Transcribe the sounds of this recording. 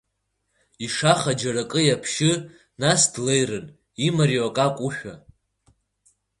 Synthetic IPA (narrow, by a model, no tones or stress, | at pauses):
iʂaχad͡ʒarakʼɨjapʰʃɪ | nasdle̞jrɨn | imarioakʼakʷʼuʃᶣa̰